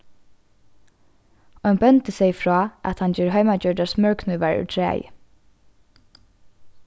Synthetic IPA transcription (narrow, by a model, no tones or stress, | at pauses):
ɔnbœnt̪əsɛjfɹɔːʔa̰t̪hand͡ʒɛːɹɦœjmad͡ʒœɹɖasmœɹkʰnuːʋaɹʉ̰t̪ʰɹæ̰ːjə̰